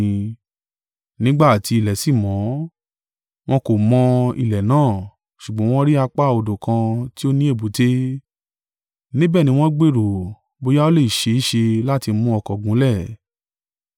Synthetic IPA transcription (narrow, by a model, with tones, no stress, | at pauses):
nĩ˦ɡ͡ba˦˨ti˧i˧˨lɛ˨si˦˨mɔ̃˨˦ | w̃ɔ̃˦ko˨mɔ̃˧ḭ˧˨lɛ˨nãː˦˨ | ʃu˨ɡ͡bɔ̃˨˦w̃ɔ̃˦ɾi˦a˧k͡pa˦˨o˧˨do˨kã˧ti˦o˦nĩ˦e˦˨bo˨˦te˦ | nĩ˦bɛ˦˨nĩ˧w̃ɔ̃˦ɡ͡be˦˨ɾo˨ | bo˧ja˦o˦le˦˨i˨ʃe˧i˦ʃe˧la˦˨ti˧mũ˧˦ɔ˧kɔ˨ɡũ˨˦lɛ˦˨